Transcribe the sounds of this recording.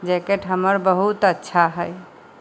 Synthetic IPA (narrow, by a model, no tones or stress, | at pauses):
d͡ʒekeʈɦəməɾbəɦut̪ətːʃʰaɦəj